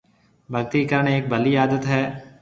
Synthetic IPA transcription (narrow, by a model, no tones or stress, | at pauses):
bʱəɡt̪ikəɾəɳ̃eːk̚bʱɐlijaːd̪ət̪ɦɛː